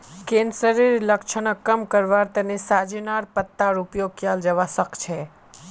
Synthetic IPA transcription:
kẽnsəɾiɾləkʃʰənəkəmkəɾʋaɾt̪ənesad͡ʒinaɾpət̪ːaɾupjokjald͡ʒəʋasəkt͡ʃʰe

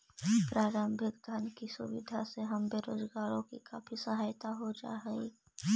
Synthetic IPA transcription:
pɾaːɾəmbʱɪkd̪ʱənkisʊ̰wɪ̰d̪ʱaseɦɐmbeːɾoːzɡaːɾõkḭkaːfʰisəɦaːjt̪aɦod͡ʒa̰ːɦɛ

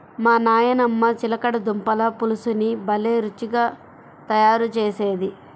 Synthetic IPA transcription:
maːnaːjɐnɐmːɐt͡ʃilɐkɐɽɐd̪umpɐlɐpulusunibɐleːɾut͡ʃːiɡaː | t̪ɐjaːɾut͡ʃeːse̞ːd̪i

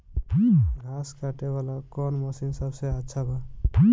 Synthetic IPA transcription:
ɡʱaskaʈebalakɔnmʌsinsʌbsejatːsʰabʌ

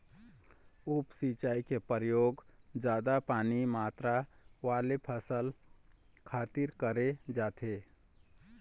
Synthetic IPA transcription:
upsit͡ʃaːikepəɾjoːɡd͡ʒaːd̪apaːnimaːt̪ɾa | waːlepʰəsəl | kʰaːt̪iɾkəɾed͡ʒaːt̪ʰe

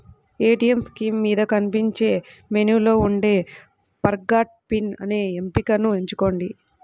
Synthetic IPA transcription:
eːʈijemskiːmːiːd̪ɐkɐnipiɲt͡ʃe̞ːme̞nuːlo̞ːuɳɖe̞ː | pɐɾɡaːʈ̚pinɐ̰neːempikɐnue̞ɲt͡ʃuko̞ːɳɖi

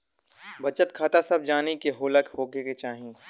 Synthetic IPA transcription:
bɐt͡ʃət̪kʰaːt̪asɐb̚d͡ʒaːnikeɦoːləkhoːɡeket͡ʃaːɦĩẽ

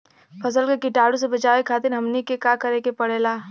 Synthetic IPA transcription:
pʰɐs̬əlkɐɾkiʈaːɽõs̬ebɐt͡ʃaːʋekʰaːt̪ɪnɦɐmnikekaːkɐɾeːkepɐɽeːlaː

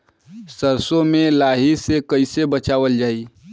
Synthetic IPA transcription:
səɾsõmẽlaːɦisekəɪsebət͡ʃaːʋəld͡ʒaːi

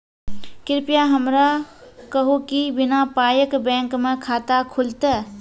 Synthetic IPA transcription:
kɪɾpjaɦəmɾakəɦokibɪnapaːjəkbɛ̃ːŋkmẽkʰaːt̪akʰʊlt̪eː

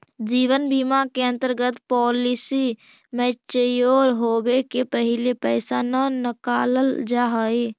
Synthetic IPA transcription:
d͡ʒiːwənbimakeə̃nt̪əɾɡət̪pɔːlɪsi | mẽt͡ʃəjoːɾɦoːbekepəɦɪlepɛːsanənɪkaːləld͡ʒaɦəe

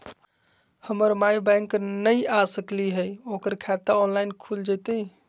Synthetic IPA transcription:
həməɾmajbɛ̃ŋknəiʔasəkliɦəjoːkəɾkʰɛt̪aɔnlaɪnkʰuld͡ʒat̪e

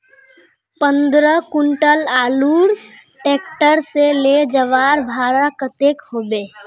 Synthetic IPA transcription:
pə̃nd̪ɾəkʊɳʈəlaːluːɾ | ʈeːk̚ʈəɾseled͡ʒəʋaːɾbʱaːɾakət̪eːkhoːbeː

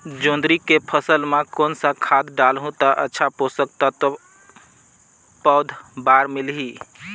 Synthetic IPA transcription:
d͡ʒõnd̪ɾikepʰəsəlmekoːnsakʰad̪ɖalɦũt̪aʔə̰tːʃʰaposək̚t̪at̪ɔ | pəd̪ʱbaɾmilɦi

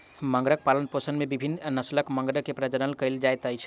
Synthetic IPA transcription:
məŋɡɾək̚palənposənmebibʱinːnəsləkmə̃ŋɡɾəkːepɾəd͡ʒənəlkəɪld͡ʒajt̪əjt͡ʃʰ

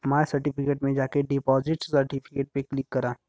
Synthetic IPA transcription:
maːsɐɾʈipʰɪkeːʈmẽd͡ʒaːkeɖɪpɔːzɪʈssɐɾʈipʰɪkeːʈ̚peklɪkːɐɾãː

